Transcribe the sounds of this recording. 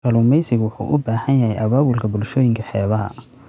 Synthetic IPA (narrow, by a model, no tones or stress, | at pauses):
kɐluːmɛjsɪɣwʊħṵːʔʊbaːhɐnjɐhɛjʔɐβaːwʊlkʰɐbʊlʃɔːjɪŋkʰɐħɛːβɐɦɐ̰